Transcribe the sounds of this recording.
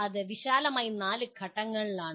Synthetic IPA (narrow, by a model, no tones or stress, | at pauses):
ɐðɨʋiɕaːlɐmaːjnaːlɨɡʱɐʈːɐŋːɐɭilaːɳ